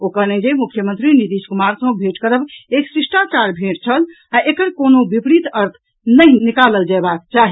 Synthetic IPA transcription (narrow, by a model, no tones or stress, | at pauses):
okəned͡ʒemukʰjəmənt̪ɾinit̪iskumaɾsə̃bʱeʈkəɾəbeksɾisʈat͡ʃaɾbʱeʈt͡ʃʰəl | aʔekəɾkonobipɾit̪əɾt̪ʰ | nəɦinikaləld͡ʒabak̚t͡ʃaɦi